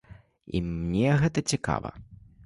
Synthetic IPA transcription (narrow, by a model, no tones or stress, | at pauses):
ḭmnʲɛɣɛt̪ɐt͡sʲika̰vɐ̰